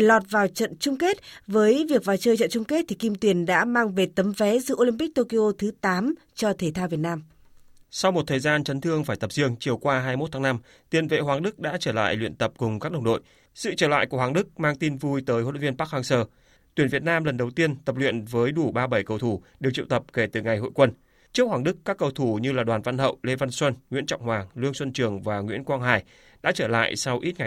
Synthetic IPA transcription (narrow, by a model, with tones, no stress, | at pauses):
lɔ˨˩t̚vaː˨˩wt͡ɕə̰˧˨nt͡ɕʊ˧ŋ͡mke˦˥t̚vəː˨˦jvi˨˩ək̚vaː˨˩wt͡ɕəː˧jt͡ɕə̰˧˨nt͡ɕʊ˧ŋ͡mke˦˥t̚t̪ʰi˨˩ki˧mt̪wi˧˩ənɗa̰ː˧˥maː˧ŋve˨˩t̪ə˨˦mfɛ˨˦zɨ̰˧˥˨ʔo˧li˧mpi˦˥k̚t̪o˧ki˧ʔo˧t̪ʰɨ˨˦t̪aː˨˦m | t͡ɕɔ˧t̪ʰe˧˩t̪ʰaː˧wvi˨˩ət̚naː˧m | sa˧wŋ͡mmo˨˩t̚t̪ʰəː˨˩jzaː˧nt͡ɕə˨˦nt̪ʰɨ˧əŋfaː˧˩jt̪ə˨˩p̚zi˧əŋt͡ɕi˨˩əwkwaː˧ɦaː˧jmo˦˥t̪ʰaː˨˦ŋna˧m | t̪i˨˩ənvḛ˧˨hɦwaː˨˩ŋɗɨ˦˥k̚ɗa̰ː˧˥t͡ɕəː˧˩la̰ː˧˨jlwḭ˧˨ənt̪ə˨˩p̚kʊ˨˩ŋ͡mka˦˥k̚ɗə˨˩wŋ͡mɗo̰˧˨j | sɨ̰˧˨t͡ɕəː˧˩la̰ː˧˨jku˧˩əhwaː˨˩ŋɗɨ˦˥k̚maː˧ŋt̪i˧nvu˧jt̪əː˨˦jho̰˧˦˧vi˧ənpaː˦˥k̚haː˧ŋsəː˧˩ | t̪wi˧˩ənvət̚naː˧mlə˨˩nɗə˨˩wt̪i˧ənt̪ə˨˩p̚lwḭ˧˨ənvəː˨˦jɗu˧˩ɓaː˧ɓə˧˩jkə˧˩wt̪ʰu˧˩ɗe˨˩wt͡ɕḭ˧˨wt̪ə˨˩p̚ke˧˩t̪ɨ˨˩ŋa˨˩jɦo̰˧˨jkwə˧n | t͡ɕɨ˦˥ək̚hwaː˨˩ŋɗɨ˦˥kːaː˦˥kːə˧wt̪ʰu˧˩ɲɨ˧laː˨˩ɗwaː˨˩nva˧nɦə̰˧˨wle˧va˧nswə˧nŋwḭ˧˥ənt͡ɕɔ̰˧˨wŋ͡mhwaː˨˩lɨ˧əŋswə˧nt͡ɕɨ˨˩əŋvaː˨˩ŋwḭ˧˥ənkwaː˧ŋɦaː˨˩j | ɗa̰ː˧˥t͡ɕəː˧˩la̰ː˧˨jsa˧wʔi˦˥t̚ŋa˨˩˨